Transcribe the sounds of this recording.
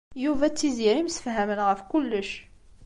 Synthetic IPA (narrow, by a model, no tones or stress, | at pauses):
juvæt͡sːiziɾimsə̥fɦæmənʁəfkʊlːəʃ